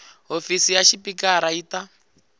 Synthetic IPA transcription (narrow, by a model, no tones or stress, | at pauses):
ɦofisijaʃipikaɾaiːta